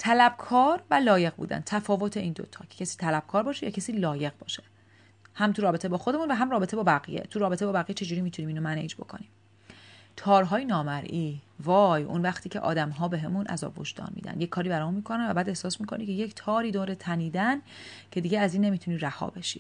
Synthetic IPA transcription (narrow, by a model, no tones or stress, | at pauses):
t̪ʰælæb̥kʰɒːɾvælɒːje̞ɣbṵːd̪æ̰n̚t̪ʰæfɒːvo̞t̪ʰeʔiːnd̪o̰t̪ʰɒ̰ːcʰecʰesiːt̪ʰælæb̥̚kʰɒːɾbɒːʃejɒːcʰesiːlɒːje̞ɣbɒ̰ːʃe̥ | hæmt̪ʰuɾɒːbet̪ʰebɒːxo̞d̪emunvæɦæmrɒːbeebɒːbæɣḭjḛt̪ʰuɾɒːbe̞t̪ʰe̞bɒːbæɣijet͡ʃʰe̞d͡ʒuːɾiːmit̪ʰunimiːnomænḛd͡ʒbo̞̰kʰo̞niː | t̪ʰɒːɾɦɒːjenɒːmæɾʔiːvɒːjṵnvæxt̪ʰiːcʰe̞̰ʔɒ̰ːd̪æmɦɒːbe̞ɦemunʔæ̰zɒ̰ːbho̰ʃd̪ɒ̰ːnmḭd̪æ̰nd̪jecʲʰːɒːɾiːbæɾɒːmunmiːkʰo̞nænvæbæːd̪e̞hsɒːsmiːkʰo̞nicʰe̞jecʰt̪ʰɒːɾiːd̪oːɾet̪ʰæniːd̪æncʰe̞d̪iːɟeæziːnːe̞miːt̪ʰuniːɾæhɒ̰ːbe̞ʃḭ